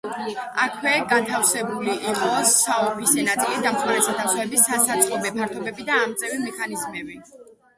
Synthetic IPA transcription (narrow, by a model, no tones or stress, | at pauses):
akʰwɛɡant̪ʰafsɛbuliʔːqʼɔsaɔpʰisɛnat̪sʼilid̪amχmaɾɛsat̪ʰasɔɛbisːasat̪sʼqʼɔbɛpʰaɾt̪ʰɔbɛbid̪aːmt̪sʼɛvimɛkʰanizmɛbi